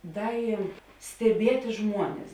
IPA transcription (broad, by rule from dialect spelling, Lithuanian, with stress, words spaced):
ˈdɐ ɪ sʲtʲɛˈbʲiɛtʲɪ ˈʒmuɔnʲɛs